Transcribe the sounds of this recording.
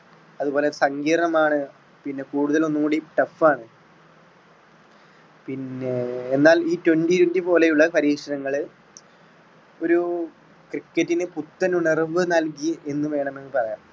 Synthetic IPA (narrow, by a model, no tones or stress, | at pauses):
ɐðuboːlesɐŋɡiːrɳɐmaːɳɨ | pinːe̞kuːɽuðɐlo̞nːukuːɽiʈɐfaːɳɨ | pinːeenːaːliːtwenditendibo̞ːlejuɭːɐpɐɾiːkʂɐɾɐŋːɐɭ | o̞ɾu | krikːɐtːinɨput̪ːɐnuɳerʋɨnɐlk̬ie̞nːɨʋe̞ːɳɐme̞nːɨpɐrɐja̰ːɳ